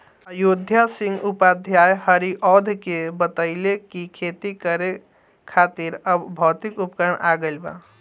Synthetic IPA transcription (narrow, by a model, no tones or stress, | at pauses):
əjod̪ʱjasiŋɡupad̪ʱjajhəɾiʔɔd̪ʱkebət̪əɪlekikʰet̪ikəɾe | kʰat̪iɾəbbʱɔːt̪ikupkəɾəɳaɡəlba̰